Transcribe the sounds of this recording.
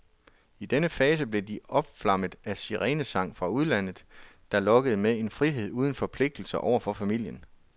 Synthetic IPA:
id̥enəfɛːs̬əb̥le̝diɒ̽b̥flɑ̈m̰əð̩ˠæsiʁɛːnəsɑ̈ŋ̰fʁɑ̈uð̞ˠlæn̰ð̩ˠ | d̥ɑ̈lɒ̽ɡ̥əð̞̩ˠmee̝nfʁiɦe̝ð̰ˠuːð̞ˠn̩fɒ̽pʰle̝ɡ̥̚d̥l̩sɐʔɒʊɐfɒ̽fæmil̰jən

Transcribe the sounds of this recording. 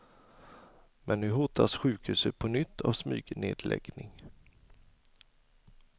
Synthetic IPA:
mʔɛnːʉ̟ːɦʊt̪ʰasɧʉ̟ːkhʉ̟ːsət̪̚pʰɔnʏt̪ʰːa̰vsmyːɡneːd̪lʔɛ̰ɡnɪŋ

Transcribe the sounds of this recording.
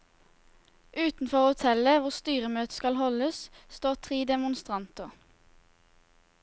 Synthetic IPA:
ʔʉːt̪n̩fɔʁoːʊt̪ʰɛləʋʊʁst̪yːʁəmøːt̪ə̥skɑlhɔləsst̪oːʁt̪ʰʁiːd̪ɛmʊnst̪ʁɑnt̪ʊʁ

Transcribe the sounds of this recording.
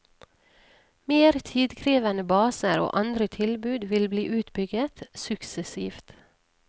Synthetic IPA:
meːɾt̪ʰiːd̪kʰɾiːʋənəbɑːsəɾo̰ːʔɑnd̪ɾət̪ʰɪlbʉːd̪ʋɪlbliːʔʉːt̪bʏɡət̪sʉksəsiːft̪

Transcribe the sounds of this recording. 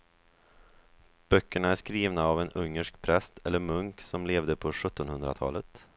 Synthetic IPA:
b̥œkːəɳaæʂkɾiːvnaavɛnɵŋːəʂkpʰɾɛst̪ʰɛlːəɾmɵŋksɔmleːvd̪əpʰɔɧɵt̪ːɔnhɵnd̪ɾa̰t̪ʰɑ̰ːlət̪

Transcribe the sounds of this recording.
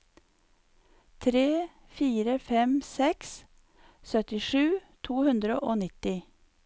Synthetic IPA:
t̪ʰɾeː | fiːɾəfɛmsɛks | sœt̪ɪʃʉːt̪ʰuːhʉnd̪ɾəʔoːnɪt̪ɪ

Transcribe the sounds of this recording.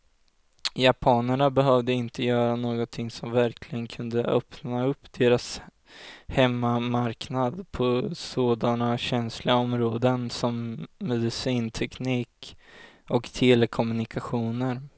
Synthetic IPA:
japʰɑːnaɳabɛɦœvd̪əɪnt̪əjœːɾanoːɡɔt̪t̪ʰɪŋsɔmvæɾkʰlɪɡənkʰɵnd̪əʔœpnaɵpːd̪̥eːɾas | hɛmːamaɾknad̪pʰɔsoːd̪anaɕɛnslɪɡaɔmɾoːd̪ənsɔmːɛd̪ɪsiːnt̪ʰɛkniːk | ɔkt̪ʰɛlɛkʰɔmɵnɪkaɧuːnəɾ

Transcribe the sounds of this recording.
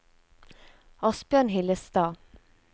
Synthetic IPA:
ɔsbjœːɳɦɪləst̪ɑː

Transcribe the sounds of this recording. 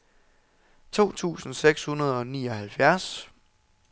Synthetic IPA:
t͡sʰo̝̰ːt͡sʰṵːsn̩seɡ̥shunɐð̞ˠɒ̽niːɒ̽hælfjæɐs

